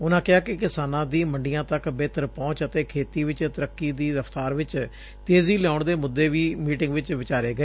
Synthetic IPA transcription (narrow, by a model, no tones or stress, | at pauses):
ʊnãːkɪɦaːkɪkɪsaːnãːd̪iːməɳɖijãːt̪əkbeːt̪əɾpɔ̃ːt͡ʃət̪eːkʰeːt̪iːʋɪt͡ʃt̪əɾəkːiːd̪iːɾəpʰt̪aːɾʋɪt͡ʃ | t̪eːziːlɪaːʊɳd̪eːmʊd̪ːeːʋiːmiːʈɪŋɡʋɪt͡ʃʋɪt͡ʃaːɾeːɡəeː